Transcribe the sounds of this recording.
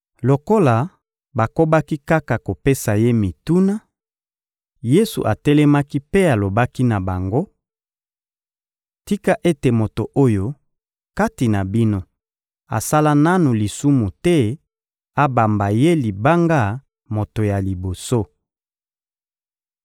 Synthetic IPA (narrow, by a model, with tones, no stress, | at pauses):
lo˨ko˦la˨ | ba˨ko˦ba˦ki˦ka˦ka˨ko˨pe˦sa˨je˦mi˨tu˦na˦ | je˦sṵ˨ʔa˨tɛ˦lɛ˦ma˦ki˦pe˦a˨lo˨ba˦ki˦na˨ba˨ŋɡo˦ | ti˦ka˦ʔe˦te˨mo˨to˨ʔo˦jo˦ | ka˦ti˨na˨bi˦no˦ | a̰˨sa˦la˦na˦nu˨li˨su˦mu˨tɛ˦ | a˦ba˨mba˨je˦li˨ba˦ŋɡa˦ | mo˨to˨ja˨li˨bo˨so˦